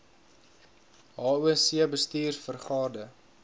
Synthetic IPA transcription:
ɦɑːuənsiəbəstiːrfərχɑːdə

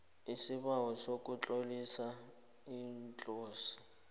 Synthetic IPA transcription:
isɪβawɔsokʼut͡ɬʼolisa | int͡ɬʼoːsi̥

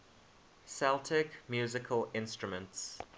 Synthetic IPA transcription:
sɛlˠtʰɪkmjʉːzɪkʰəlɪ̃nstɹ̥əmə̃nts

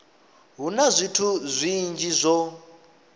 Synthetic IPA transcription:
ɦunazʷitʰuzʷind͡ʒizʷɔ

